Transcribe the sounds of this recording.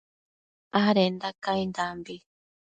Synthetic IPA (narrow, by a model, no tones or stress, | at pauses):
aɾend̪akajnd̪ambi